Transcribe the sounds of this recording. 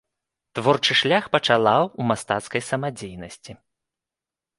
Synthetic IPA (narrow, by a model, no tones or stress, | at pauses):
t̪vɔrt͡ʂɨʂlʲaxpɐt͡ʂalˠawumast̪at̪skɐjsɐmad͡zʲejnɐsʲt͡sʲi